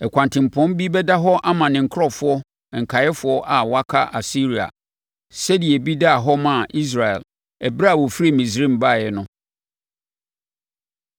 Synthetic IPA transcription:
ɛ˨kʷʰã˨ntʰɪ̃˨m̩˨pʰɔ̃˦m˦bi˦bɛ˦da˦ɦɔ˦ʔa˦mã˨nɪ̃˨ŋ̩˨kʰɔ˦fʊ˦ɔ˦˨ | ŋ̩˨kʰa˨jɛ˦fʊ˦ɔ˦ʔa˨wa˦kʰa˦ʔa˨si˦ɾi˨a̰˨ | sɛ˦di˨e˨bi˦da˦a˨ɦɔ˦mã˨ʔi˦s̬ɾa˨ɛ̰˨l | ɛ˨bɾa˦a˨wɔ˨fi˦˨mĩ˨s̬ɾĩ˦˨m˨ba˦˨ɛ˦nʊ̃˦

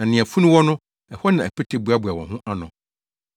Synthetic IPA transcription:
nã˨nɪ̃˨a˨fu˦nʊ̃˦wɔ˦nʊ̃˦ | ɛ˨hɔ˦nã˨æ˨pʰɛ˦tʰe˨bu˨˦a˦bʊ˨a˨wɔ̰̃˨ɦʊ̃˦ʔa˦nʊ̰̃˨

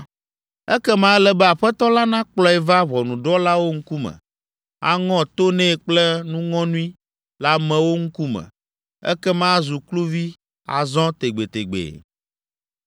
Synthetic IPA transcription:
ɛ˦kɛ˦mã˦lɛ˨bɛ˦a˨ɸɛ˦t̪ɔ˦la˦nã˦k͡plɔ˦ɛ˨va˦βɔ˨nũ˨ɖɔ˦la˦wo˦ŋ̩˦ku˦mɛ̰̃˨ | a̰˦ŋɔ̃˦t̪o˦nɛ̃˦˨k͡plɛ˦nũ˦ŋɔ̃˦nũ˦i˦ | la˦mɛ̃˨wo˦ŋ̩˦ku˦mɛ̰̃˨ | ɛ̰˦kɛ˦mã˦zu˨klu˦vi˦ | a̰˨zɔ̃˦t̪e˨ɡ͡be˨t̪e˨ɡ͡bḛ˨

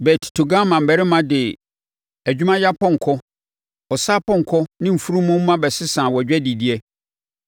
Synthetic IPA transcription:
bɛ˨tʰɪ̥˨tʰo˨ɡã˦mã˨m̩˨bɛ˨ɾɪ˦mã˨˦dɪ˨ | æ˨d͡ʑᶣu˦mã˦ja˦pɔ̃˦ŋ̩˨kʰɔ˦ | ɔ˨sa˦pʰɔ̃˦˨ŋ̩˨kʰɔ˦nɪ̃˦m̩˨fu˦ɾũ˦mʊ̃˦m̩˦mã˦bɛ˨sɪ˦sãː˨wɔ˨d͡ʑᶣɛ˦di˨di˦ɛ˦

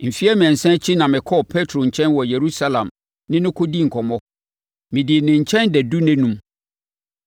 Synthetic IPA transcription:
m̩˨fi˦ɛ˦mɛ̃˨n˨sɛ̃˦t͡ɕʰi˦nã˨mɪ̃˨kʰɔ˦pʰe˦tʰɾo˨ɲ̩˨t͡ɕʰɛ̃˦nwɔ˨je˨ɾu˦sa˦lã˨m | nɪ̃˦nʊ̃˦kʰo˦di˦ŋ̩˨kʰɔ˨mɔ̃˦ | mɪ̃˨di˨nɪ̃˨ɲ̩˨t͡ɕʰɛ̃˦ndɛ˨du˦nɛ̃˦nũ˦m

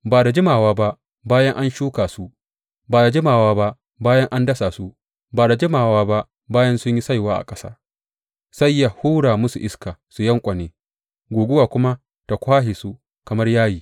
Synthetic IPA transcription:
baː˨da˨d͡ʒɪ˦maː˨waː˦ba˦ʔ | baː˦jɐ˦ŋʔa˦nʃuː˦kaː˨su˦ | baː˨da˨d͡ʒɪ˦maː˨waː˦ba˦ʔ | baː˦jɐ˦ŋʔa˦ndɐ˦saː˨su˦ | baː˨da˨d͡ʒɪ˦maː˨waː˦ba˦ | baː˦jɐ˦nsʊ˦ɲji˦sa˦jwaː˦ʔa̰˨kʼɐ̥˦sa̰ː˦ | sa˦jːa˨huː˦ɽaː˨mʊ˦su˨ʔɪ˦skaː˨su˨jɐ˦ŋkʷʼɐ˨neː˦ | ɡʷoː˨ɡʷʊ˦waː˨kʷʊ˦ma˦ | ta˨kʷaː˦ɦeː˨su˦ | kɐ˨mɐ˦rjaː˦jiː˨

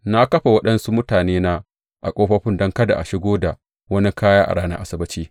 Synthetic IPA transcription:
na˦kɐ˦ɸa˨wɐ˦ɗɐ˦nsu˦mʊ˦taː˨neː˦na˦ | ʔa˨kʷʼoː˦ɸɐ˦ɸɪ˦ndɔ˦ŋkɐ˦da̰˨ʔa˨ʃɪ˦ɡʷoː˦da̰˨ | wɐ˦ni˦kʰaː˦jaː˦ʔa̰˨ɽaː˦nɐ̰˦ʔa˦sɐ˦bɐ˦t͡ʃiː˦

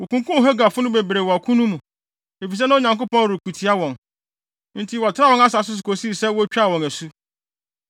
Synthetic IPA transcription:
wo˨kũ˨ŋ˦kũ˦˨ɦɛ˦ɡa˨fʊ˦nʊ̃˦be˨bɾe˨wɔ˨a˨kʰũ˦nũ˦mũ˨ | e˨fi˨s̬ɛ˦nã˦o˦ɲã˨ŋk̬ʊ˦pɔ̃˦˨ɾu˨ku˨tʰi˨a˦wɔ̃˨n | n̩˦tʰi˦wɔ˨tʰɪ˦ɾa˦wɔ̃˨ŋa˦sa˨s̬ʊ˦s̬ʊ˨ko˨si˦˨sɛ˦wo˦t͡ɕᶣa˦˨wɔ̃˨ŋæ˨su˦

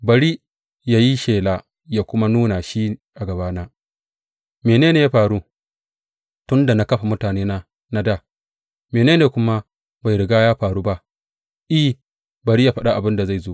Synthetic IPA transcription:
bɐ˨ɽi˦ | ja˦ji˦ʃeː˨laː˦˨ | ja˦kʷʊ˦ma˦nuː˦na˨ʃiː˦ʔa˨ɡɐ˨baː˦naː˦ | meː˨neː˦neː˨ja˦ɸaː˨ɽu˦ | tʊ˦nda˨na˦kɐ˦ɸa˨mʊ˦taː˨neː˦naː˦ | na˦da˦˨ | meː˨neː˦neː˨kʷʊ˦ma˦ | ba˨jɾɪ˨ɡaː˦jaː˦ɸaː˨ɾuː˦ba˦ʔ | ʔi˦ | bɐ˨ɾi˦ja˨ɸɐ˦ɗa˦˨ʔa˨bɪ˦nda˨za˦˨jzoː˦ʔ

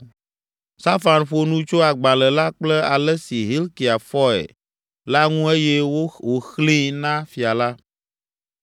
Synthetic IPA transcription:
sa˦fa˨nɸo˨nũ˦t͡ʃo˦a˨ɡ͡ba˨lɛ˨la˦k͡plɛ˦a˨lɛ˦si˨ɦi˦lki˨a˨fɔ˦ɛ̰˨ | la˦ŋũ˦e˦jɛ˦wo˦wo˨xlĩ˦nã˦fi˨a˨la˦

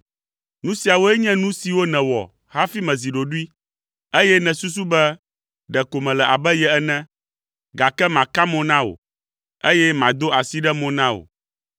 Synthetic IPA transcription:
nũ˦si˨a˨wo˦ɛ˦ɲɛ̃˦nũ˦si˨wo˦nɛ̃˨wɔ̰˨ | ha˦fi˦mɛ̃˨zi˨ɖo˨ɖu˦i˦ | e˦jɛ˦nɛ̃˨su˦s̬u˦bɛ˦ | ɖɛ˨ko˨mɛ̃˨lɛ˨ʔa˨bɛ˦jɛ˨ɛ˦nɛ̃˦ | ɡa˨kɛ˦mã˨ka˦mɔ̃˦nã˦wo̰˨ | e˦jɛ˦mã˨d̪o˦a˨si˦ɖɛ˦mɔ̃˨nã˦o̰˨

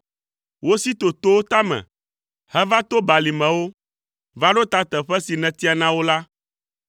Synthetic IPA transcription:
wo˦si˦t̪o˨t̪o˦wo˦t̪a˦mɛ̰̃˨ | hɛ˦va˦t̪o˦ba˨li˨mɛ̃˨wo˦ | va˦ɖo˦t̪a˨t̪ɛ˨ɸɛ˦si˨nɛ̃˨t̪i˦a˨nã˦wo˦la˦

